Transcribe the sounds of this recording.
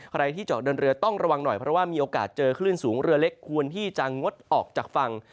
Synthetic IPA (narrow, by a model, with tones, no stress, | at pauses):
kʰɾa˧jt̪ʰiː˥˩t͡ɕɔː˨˩k̚dɤː˧nɾɯ˧ɐt̪ɔ˥˩ŋɾa˧wa˧ŋnɔ˨˩jpʰɾɔ˦˥waː˥˩miː˧ʔoː˧kaː˨˩t̪̚t͡ɕɤː˧kʰlɯː˥˩nsuː˩˦ŋɾɯ˧ɐle˦˥kʰːu˧ənt̪ʰiː˥˩t͡ɕa˧ŋo˦˥t̪̚ʔɔː˨˩k̚t͡ɕaː˨˩k̚fa˧ŋ